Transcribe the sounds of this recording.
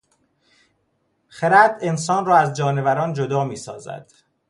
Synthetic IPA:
xeɾæd̪e̞nsɒːnrɒːæzd͡ʒɒːne̞væɾɒːnd͡ʒod̪ɒːmiːsɒ̰ːzæ̰d̪̥

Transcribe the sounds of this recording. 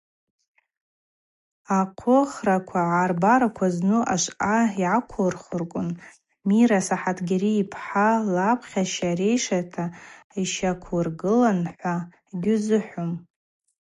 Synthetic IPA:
aqʷʰʊχrakʷʰaʕarbaɾakʷʰaznuʔaʃʷʔaiʕakʷʰʊrχɨrkʷʼʊn | miɾasaħatʰɡʲaɾiːpʰħalapʰχʲaʃare̞jʂatʰaiʃakʷʰɨrɡɨlanħʷa | ɡʲʊzɨħʷʊm

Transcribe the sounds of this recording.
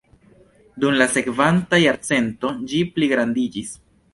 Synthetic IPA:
dumlase̞kvantajaɾt͡se̞nto̞d͡ʒipliɡɾandid͡ʒis

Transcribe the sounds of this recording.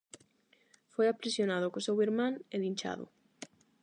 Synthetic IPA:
fojapɾisjonað̞ʊkosewiɾmãŋeðinʲt͡ʃa̰ðʊ̰

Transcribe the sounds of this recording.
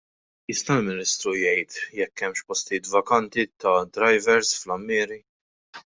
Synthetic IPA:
jɪst̪ɐlmɪnɪst̪ɾujɛjt̪jɛkːɛmːʃpɔst̪iːt̪vɐkɐnt̪it̪ɐd̪ɾɐjvɛɾsflɐmːɪːɾi

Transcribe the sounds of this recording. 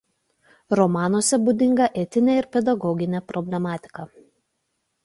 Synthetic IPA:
ɾɔmɑːnoɔsʲɛbuːd̪ʲɪŋɡɐʔɛt̪ʲɪnʲɛːɪɾpʲɛd̪ɐɡɔɡʲɪnʲɛpɾɔbʲlʲɛmɑːt̪ʲɪ̥kɐ

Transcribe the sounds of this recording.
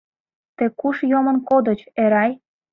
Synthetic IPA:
t̪ekuʃjomənkod̪ə̆t͡ɕeɾɑj

